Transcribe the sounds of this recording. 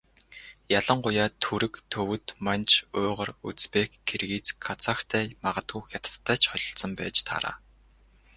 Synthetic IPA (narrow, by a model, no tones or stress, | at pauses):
jaɮə̆ɴɢʊjaːt̪ʰuɾɘ̆kt̪ʰɵwɵ̆t̪mant͡ɕʰʊːʁə̆rut͡spekɡerɣiːt͡skʰːat͡sʰakt̪ʰæːmaʁə̆t̪ɡuːxʲjat̪ə̥̆ːæːt͡ɕχɔɮɞ̆ɬsɞ̆mpæ̰ːt͡ɕt̪ʰa̰ɾa̰ː